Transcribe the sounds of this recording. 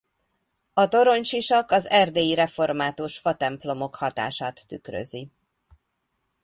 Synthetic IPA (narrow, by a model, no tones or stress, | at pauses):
ɒt̪o̞ɾo̞ɲt͡ʃiʃɒkɒzɛrd̪eːjiɾɛfo̞rmaːt̪oʃfɒt̪ɛmplo̞mo̞khɒt̪a̰ːʃaːt̪ːykrø̰zi